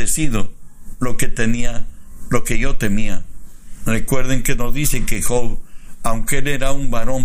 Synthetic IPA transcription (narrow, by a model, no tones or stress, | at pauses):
esiðolo̞ket̪emialo̞keʝo̞t̪e̞mia | rekwe̞ɾð̞eŋkenozðiθe̞ŋkexoβawŋkeeleɾaumbaɾõm